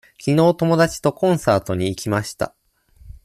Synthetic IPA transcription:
kʲino̞ːt̪o̞mo̞d̪at͡ɕi̥t̪o̞kõ̞ɰ̃saːt̪o̞ɲ̟iːkʲimaɕi̥t̪a̰

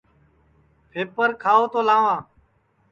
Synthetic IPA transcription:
pʰeːpəɾkʰaːoːt̪oːlãːʋãː

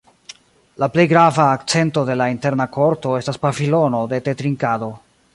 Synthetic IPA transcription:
laple̞jɡɾavaːkt͡se̞nto̞de̞lainte̞ɾnakʰo̞ɾto̞e̞staspavilo̞no̞de̞te̞tɾiŋkado̞

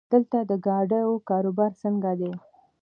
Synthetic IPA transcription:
d̪̥əlt̪ad̪əɡɑɖəjokɑɾobɑɾsəŋɡad̪e

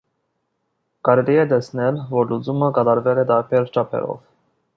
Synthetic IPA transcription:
kɑɾɛliɛt̪ɛsnɛlvɔɾlut͡suməkɑt̪ɑɾvɛlɛd̪ɑɾpʰɛɾt͡ʃɑpʰɛ̰ɾɔ̰v

